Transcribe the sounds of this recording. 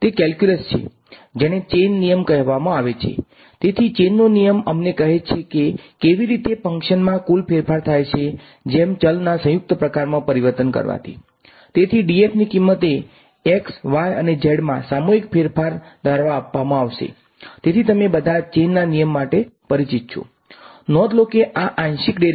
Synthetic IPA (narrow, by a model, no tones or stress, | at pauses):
t̪ekɛlkjuləst͡ʃʰḛ | d͡ʒeɽ̃et͡ʃenːijəmkəɦʋamãaʋet͡ʃʰḛ | t̪et̪ʰit͡ʃenːonijəməmnekəɦet͡ʃʰekekeʋiɾit̪efə̃ŋkʃənmãkulpʰeɾfaɾt̪ʰajt͡ʃʰe | d͡ʒemt͡ʃəlnasə̃jʊk̚t̪əpɾəkaɾmãpəɾiʋəɾt̪ənkə̰ɾʋa̰t̪ʰḭ | t̪et̪ʰiɖiefnikimːət̪e | eksʋajə̰ned͡ʒeɽmã̰samoɦikpʰeɾpʰaɾd̪ʱəɾʋaːpːamãaʋʃḛ | t̪et̪ʰit̪əmebəd̪ʱat͡ʃenːanijəmːaʈepəɾit͡ʃit̪̚t͡ʃʰṵ | nɔd̪lokeʔaʔãnʃikɖe